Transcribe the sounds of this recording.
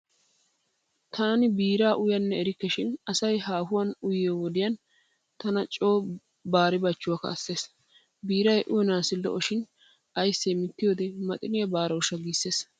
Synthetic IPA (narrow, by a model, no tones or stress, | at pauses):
t̪ʰaːnɪbiːɾaːʔʊjɐnːɛɛɾɪkːɛʃɪnɐsɐjɦaːhʊwɐnʊjɪjowɔd̪ɪjɐn | t̪ɐnɐt͡ʃʼo̞ː | baːɾɪbɐt͡ʃːʊwakɐ̰ɐsːeːs | biːɾɐjʔʊjɛnaːsɪlːɔ̰ʔɔʃɪn | ʔɐjsːemɪt̪ːɪjoːd̪ɛmɐt̪ʼɪnɪjɐbaːɾɐwʊʃɐɡiːsːeːs